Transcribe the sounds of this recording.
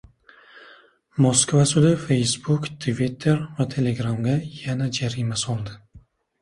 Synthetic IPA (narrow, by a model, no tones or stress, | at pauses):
moskvasʊd̪ɪfe̞jsbʊkt̪ʰvit̪ʰːe̞ɾvat̪ʰe̞le̞ɡɾamɡʲajanad͡ʒaɾimasɒlˠd̪ɪ